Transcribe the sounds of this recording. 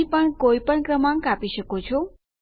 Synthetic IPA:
ipəɳkoijpəɳkɾəmãŋkapiʃəkot͡ʃʰo

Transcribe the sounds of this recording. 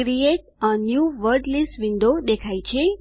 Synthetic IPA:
ɾijeʈənjuʋəɾɖlisʋiɳɖod̪ekʰajt͡ʃʰe

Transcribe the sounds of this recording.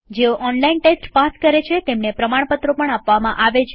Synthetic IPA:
d͡ʒeoʔɔnlainʈesʈpaskəɾet͡ʃʰet̪emnepɾəmaɽ̃pət̪ɾopəɳapʋamãʔaʋet͡ʃʰ

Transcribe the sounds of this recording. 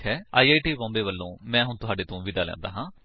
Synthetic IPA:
ɦɛːaːiːaːiʈiːbɔ̃ːmbeːʋəlːõːmɛ̃ːɦʊnt̪ʊɦaːɖeːt̪õːʋɪd̪aːlɛ̰̃ːnd̪a̰ːɦãː

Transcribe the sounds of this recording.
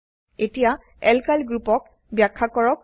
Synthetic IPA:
etija | ɛlkalɡɹupɔk̚ | bjakʰːakɔɹɔk

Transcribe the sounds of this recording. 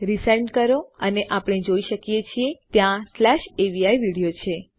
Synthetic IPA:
ɾisajɳɖkəɾoəneʔapəɽ̃ed͡ʒoiʃəkijet͡ʃʰiet̪jãslɛʃeʋiajʋiɽijot͡ʃʰe

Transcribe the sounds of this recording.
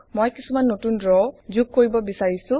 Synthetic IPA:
mojkisumanːotundɹɔzuɡ̚koɹibɔbisaɹisʊ̃

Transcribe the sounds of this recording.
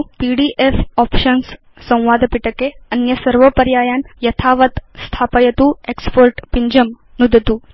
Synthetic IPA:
piɽiːʔefɔpʃəns | sɐ̃w̃ʋaːd̪ʱpiʈəkeɐnjɐsəɾʋəpəɾjaːjanjɐt̪ʰaːʋət̪st̪ʰaːpəjɐt̪uːekspoɾʈpiɲd͡ʑəm | nud̪ʱt̪uː

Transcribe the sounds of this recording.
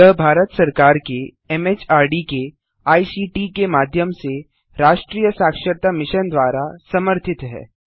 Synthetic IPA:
əɦbʱaːɾət̪sɐɾkaːɾke | ɛmeːt͡ʃaːɾɖike | aːisiːʈiːkemaːd̪ʱjəmse | ɾaːʃʈɾiːjəsaːkʃəɾt̪amɪʃənd̪ʋaːɾasɐməɾt̪ʰɪt̪ɦɛ̰ː

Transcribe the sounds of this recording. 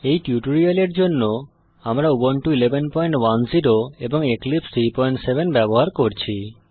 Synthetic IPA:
ejʈjuʈoɾialeɾd͡ʑonːo | amɾaubonʈuilebʱenpɔjɳʈwanziɾoeboŋeklipst̪ʰɾipɔjɳʈsebenbɛboɦaɾkoɾt͡ɕʰi

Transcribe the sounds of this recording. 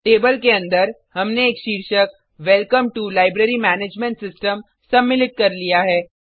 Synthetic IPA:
ʈeːbəlkeɐ̃nd̪əɾ | hɐmneːkʃiːɾʃək̚ | ʋɛlkəmʈulaːɪbɾeɾimɛːneːd͡ʒmẽɳʈsɪsʈəm | sɐmːɪlɪt̪̚kɐɾlijaɦɛː

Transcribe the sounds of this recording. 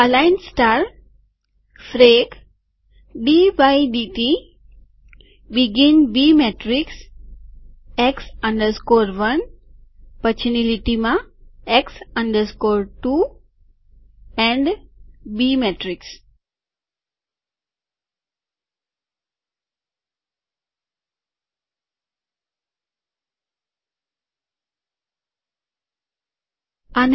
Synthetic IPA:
əlaɪnsʈaːɾ | fɾeɡ | biʋaɪɖiʈi | biɡĩnbiːmeʈɾiks | eksʌ̃ɳɖəɾskoːɾʋʌ̃n | pət͡ʃʰniliʈimaeksʌ̃ɳɖəɾskoːɾʈuː | ɛ̃ɳɖbimeʈɾiks | ɐn

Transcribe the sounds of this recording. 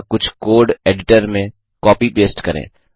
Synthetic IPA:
kʊt͡ʃʰkoːɾɖeːɖɪʈəɾmẽ | kɔːpipeːsʈkɐɾḛ̃ː

